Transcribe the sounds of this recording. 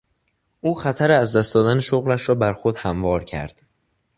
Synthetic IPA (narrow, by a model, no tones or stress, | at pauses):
ʔuːxæt̪ʰæɾeæzd̪æst̪ɒːd̪æneʃoɣlæʃɾɒːbæɾxod̪̥hæmvɒːɾcʰæ̰ɾd̪̥